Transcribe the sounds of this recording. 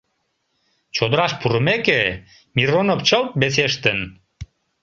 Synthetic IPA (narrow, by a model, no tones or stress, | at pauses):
t͡ɕod̪əɾɑʃpuɾəmeke | miɾonopt͡ɕəlt̪̚bes̬eʃt̪ən